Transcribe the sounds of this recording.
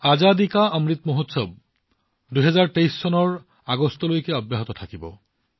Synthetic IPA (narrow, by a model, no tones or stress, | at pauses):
azad̪ikaamɹit̪moɦot̪sɔb̚ | duɦɛzaɹtejsːɔnɔɹ | aɡɔst̪ɔlojkɛɔbjaɦɔt̪ɔt̪ʰakibɔ̰